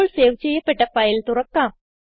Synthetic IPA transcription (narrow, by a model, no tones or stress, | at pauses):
oɭseːʋt͡ɕejːɐpːeʈːɐpːajɐlt̪ʊɾɐkːaːm